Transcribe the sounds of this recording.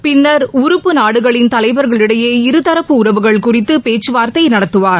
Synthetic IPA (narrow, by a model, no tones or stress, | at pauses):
pɪnːɐɾʊɾɯpːɯnaːɽɯɣɐɭɪnt̪ɐlɐɪbɐɾɣɐɭɪɽɐjeːɪɾɯt̪ɐɾɐpːɯʊɾɐʋɯɣɐɭkʊrɪt̪ːɯpeːt͡ʃːɯʋaːɾt̪ɐɪnɐɽɐt̪ːɯʋaːɾ